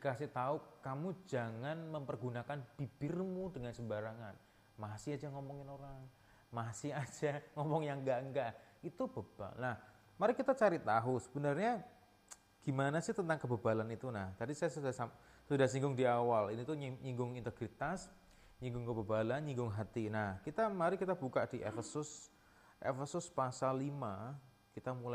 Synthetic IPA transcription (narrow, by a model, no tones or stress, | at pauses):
dikasɪht̪aʊkamud͡ʒaŋanməmpərɡunakanb̥ib̥ɪrmudəŋansəbaɾaŋan | maɦasiad͡ʒaŋɔmɔŋɪnoɾaŋ | maɦsɪad͡ʒaŋɔmɔŋjaŋŋɡaʔəŋɡaʔit̪ubəb̥a̰nah | maɾɪkit̪at͡ʃaɾit̪aɦusə̥bənarɲa | ɡ̥imanasɪht̪ənt̪aŋkəbəbalanit̪unaht̪adisajasudasa | sudahsiŋɡʊŋdiawalinit̪uɲɲiŋɡʊŋint̪əɡɾit̪as | ɲiŋɡʊŋkəbəbalanɲiŋɡʊŋɦat̪inahkit̪amaɾɪkit̪abukaʔdiʔḛfəsʊs | ʔḛfəsʊspasalima | kit̪amula